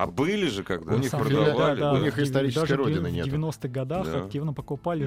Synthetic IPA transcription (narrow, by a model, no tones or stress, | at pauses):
ɐ̰bɨlʲɪʐɨkaɡ̚d̪nʲisapɾvd̪alʲd̪aʊnʲixɪst̪ɐɾʲiɪd̪saʐəɨoɪɨnvʲedʲɪvʲɪno̞st̪ɨɣɡɐd̪axɐktʲivnəpəkʊpalʲɪ